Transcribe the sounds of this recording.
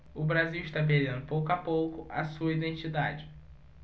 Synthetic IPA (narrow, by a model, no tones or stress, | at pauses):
ʊbɾaziwiʃt̪abeɾẽnd̪ʊpowkʊapowkʊʔa̰suɐid̪ẽt͡ʃid̪ad͡ʒɪ